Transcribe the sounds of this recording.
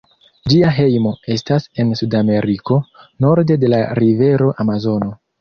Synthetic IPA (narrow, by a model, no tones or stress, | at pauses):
d͡ʒiaɦe̞jmo̞e̞stase̞nsudame̞ɾiko̞no̞ɾde̞de̞laɾive̞ɾo̞ʔamazo̞no̞